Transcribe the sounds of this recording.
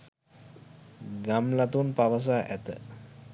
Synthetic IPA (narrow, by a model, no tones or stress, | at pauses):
ɡamlat̪unpaʋəs̬aːʔæt̪ə̰